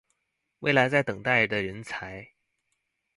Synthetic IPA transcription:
wḛ˥˩ɪla˧˥ɪt͡sa˥˩ɪt̪ɤ˨˩ŋt̪a˥˩ɪd̪ə˩ɻə˧˥nt͡sʰa˧˥ɪ

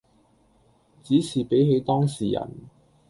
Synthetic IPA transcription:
t͡siː˨˥sʰiː˨˩pe˨˥jɦe˨˥jt̪ɔː˥ŋsiː˨jɐ̰˨˩n

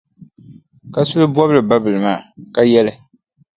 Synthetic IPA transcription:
ka˨sʊ˦lɨ˦bɔ˦bɨ˦lɨ˨ba˦bɨ˨lɨ˨maː˨ka˦jɛ˦lɨ˨

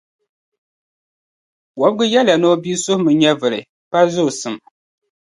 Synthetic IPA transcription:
wɔ˨˦bɡɨ˦jɛ˦la˨nɔ˦biː˦sʊ˦hmɨ˨ɲɛ˦vɨ˨ɾɨ̰˨ | pa˦zʊ˦˨sɨ˨m

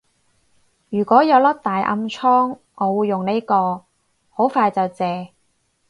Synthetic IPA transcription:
jyː˨˩kʷɔː˨˥jɐ˨˧wlɐ˥k̚t̪aː˨jʔɐ̰˧mt͡sʰɔː˥ŋ | ʔɔː˨˧wuː˨˧jːʊ˨ŋne˥jkɔː˧ | ho˨˥wfaː˧jt͡sɐ˨wt͡sɛː˨

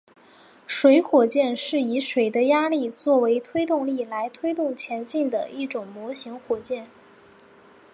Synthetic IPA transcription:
ʂwe˧˥ɪxwɔ˨˩t͡ɕjɛ˥˧nʂɻ̩˥˩i˧˥ʂwe˨˩ɪd̪ə˦ja˥li˥˧t͡swɔ˥˩we˧˥ɪt̪ʰwe˥ɪt̪ʊ˥˧ŋli˥˩la˧˥ɪt̪ʰwe˥ɪt̪ʊ˥˩ŋt͡ɕʰjɛ˧˥nt͡ɕi˥˩nd̪ə̰˩i˥˩ʈ͡ʂʊ˨˩ŋmwɔ˧˥ɕi˧˥ŋxwɔ˨˩t͡ɕjɛ˥˩n

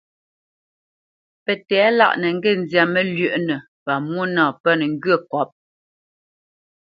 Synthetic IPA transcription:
pɛ˨tɛː˨˦la̰˦˨ʔnɛ˨ŋ̩˦ɡe˦˨n˨zja˨mɛ˦lɥə˦˨ʔnɛ˨ | pa˨mwo˦nãː˨pə˦˨n˨ŋ̩˦ɡɥə˦˨kɔ˨˦p̚

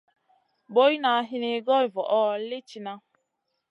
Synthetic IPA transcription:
bo˦i˦na˨a˦ɦɪ˦ne˨˦ɡɔ˦i˨vɔ˨ʔɔ˦lɪ˦t͡ʃi˨na˦

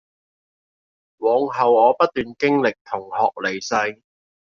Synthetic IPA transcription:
wɔː˨˧ŋɦɐ˨wɔː˨˧pɐ˥t̪̚ːyː˨nkɪ˥ŋlɪ˨k̚t̪ʰʊ˨˩ŋhɔː˨k̚le˨˩jsɐ˧j

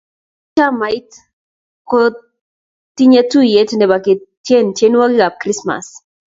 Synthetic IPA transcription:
t͡ʃa˦ma˨i˦t | ko˦ | t̪i˦ɲe˦tu˦je˦tnɛ˨ba˨kɪ˨tje˦ntje˦n˦wa˦ɡɪ˦ɡa˨p̚kɾi˦sma̰˨s

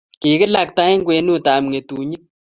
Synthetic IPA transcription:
ki˨kɪ˦la˨k̚ta˦ɪ˦ŋɡwe˨˦nu˦ta˨m˨ŋe˨tuː˨ɲi˦k̚

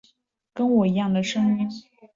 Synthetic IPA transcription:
kə˥nwɔ˨˩i˧˥jɑ˥˩ŋd̪ə˩ʂɤ˥ŋi˥n

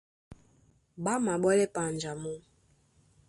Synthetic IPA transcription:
ɓa˦ma˨ɓɔ˦lɛ˦pa˨n˨d͡ʒa˨mu˦

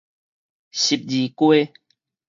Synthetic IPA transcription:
ɕi˨p̚d͡ʑi˨˩kwe˦

